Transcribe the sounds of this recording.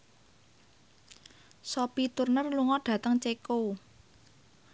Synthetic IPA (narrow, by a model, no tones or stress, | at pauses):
sɔpit̪urnərluŋɔɖ̥ä̤t̪əŋt͡ʃeko